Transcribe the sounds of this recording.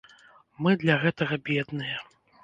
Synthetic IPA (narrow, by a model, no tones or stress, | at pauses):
mɨd̪lʲɐɣɛt̪ɐɣɐbʲɛd̪nɨjɛ